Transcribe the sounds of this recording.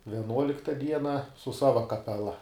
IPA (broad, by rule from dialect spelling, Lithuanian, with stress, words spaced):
ʋʲiɛˈnuɔlʲɪktɐ ˈdʲiɛnɐ sʊ ˈsɑːʋɐ kɐpʲɛˈlˠɐ